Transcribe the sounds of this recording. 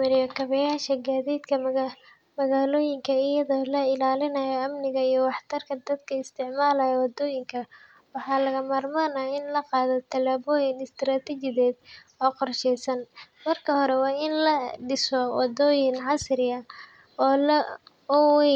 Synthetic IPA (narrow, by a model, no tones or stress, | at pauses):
mɐɾɪjɔkʰɐβɛjaːʃɐɡaːðiːd̪kʰɐ | mɐɣaːlɔːjɪŋkʰɐɪjɐðɔːlɐɪlaːlɪnɐjɔɐmnɪɣɐijɔwɑħt̪ʰɐrkʰɐd̪ɐd̪kʰɐɪst̪ʰɪʕmaːlɐjɐwɑd̪ɔːjɪŋkʰɐ | wɑħɑːlɐɣɐmaːrmaːnaːɪnlɐqɑːðɔt̪ʰɐlaːβɔːjɪnɪst̪ɾaːt̪ʰɛt͡ʃɪðɛːd̪̚ | ɔːqɔrʃɛjsɐn | mɐrkʰɐhɔɾɛwɑːɪnlɐɖɪsɔwɑ̰d̪ɔːjɪnʕɑsɾɪɐ | ɔːlɐ | ɔwɛ